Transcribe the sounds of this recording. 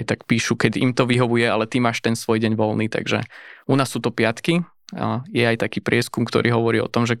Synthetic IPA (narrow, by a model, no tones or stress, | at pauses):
t̪akpiːʃukɛɟḭmt̪ɔʋiɦɔʋujɛalɛt̪imaːʃt̪ɛnsʋɔjɟɛɲʋɔlniːt̪a̰ɡʒɛ̰unaːsːuːt̪ɔpɪat̪ki | jɛajt̪akiːpɾɪɛskumkt̪ɔ̰ɾʔiːɦɔʋɔɾiːɔ̰t̪ɔmʒɛ